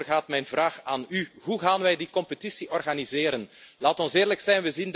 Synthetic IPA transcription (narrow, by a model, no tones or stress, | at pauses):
rɣaːtmɛjnvraːxaːnyɦuɣaːnʋɛjdikɔmpətisiʔɔrɣaːnizɪːɾənlaːtɔnsɪːrləksɛjnʋəzin